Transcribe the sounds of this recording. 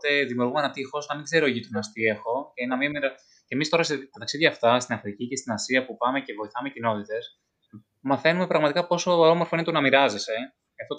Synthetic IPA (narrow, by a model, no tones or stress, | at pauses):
t̪e̞ðimiuɾɣumenɐt̪ixo̞sɐnðeɡze̞ɾo̞eʝit̪unɐst̪ie̞xo̞cenɐmimiɾɐ | cemist̪o̞ɾɐst̪ɐt̪ɐksiðʝɐːft̪ɐst̪inɐfɾicice̞st̪inɐsiɐpupɐme̞ce̞vo̞iθɐme̞cino̞t̪it̪e̞s | mɐθe̞nume̞pɾɐɣmɐt̪ikɐpo̞so̞omo̞ɾfo̞inet̪unɐmiɾɐze̞se̞ | ɐft̪o